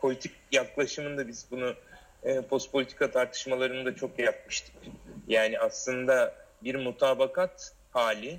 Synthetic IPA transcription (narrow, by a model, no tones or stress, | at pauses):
pʰo̞lʲit̪ʰic̚jaklˠaʃɯmɯnd̪abizbunu | ɯːpʰo̞st̪̚pʰolʲit̪ʰi̥kʰat̪ʰaɾt̪ʰɯ̥ʃmalˠaɾɯnɯd̪at͡ʃʰo̞kjaɾap̚mɯʃt̪ʰɯ̥kjaːniʔaslˠɯnd̪a | biɾmut̪ʰaːbakʰat̪ | haːlʲɪ